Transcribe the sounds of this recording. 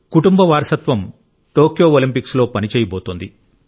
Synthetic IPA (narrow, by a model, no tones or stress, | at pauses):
kuʈumbɐʋaːɾsɐt̪ʋɐm | ʈo̞ːkjo̞ːolimpikslo̞ːpɐnit͡ʃɛːjɐboːt̪ond̪i